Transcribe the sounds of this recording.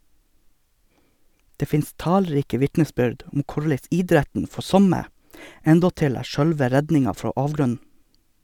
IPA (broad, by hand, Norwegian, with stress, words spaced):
ˈdeː ˈfɪnst ˈtɑːlˌɾiːkə ˈʋɪtnəˌsbʏɖ ˈʊm ˈkʊɭæɪs ˈɪdɾætən ˈfɔ ˈsɔmə ˈɛndɔtɪl ˈæː ˈʃœɽʋə ˈɾɛdnɪŋɑ ˈfɾoː ˈɑːʋɡɾʉnn̩